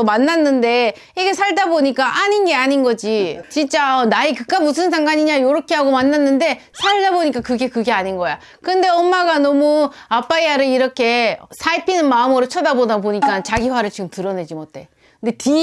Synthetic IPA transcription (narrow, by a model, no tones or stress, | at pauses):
manːanːɯnde̞ | iɡe̞sʰaɭdaboɲik͈aʔaɲinɡe̞aɲinɡʌd͡ʑit͡ɕint͡ɕ͈anaikɯk̚k͈amus̬ʰɯnsʰaŋɡaɲiɲajoɾʌkʰe̞ɦaɡomanːanːɯnde̞ | sʰaɭdaboɲik͈akɯɡe̞kɯɡe̞aɲinɡʌja | kɯnde̞ʌmːaɡanʌmu | ap͈aiaɾɯɭiɾʌkʰe̞sʰaipʰinɯnmaɯmɯɾot͡ɕʰʌdabodapoɲik͈ant͡ɕaɡiɸwaɾɯɭt͡ɕiɡɯmtɯɾʌne̞d͡ʑimotʰe̞ | kɯnde̞ti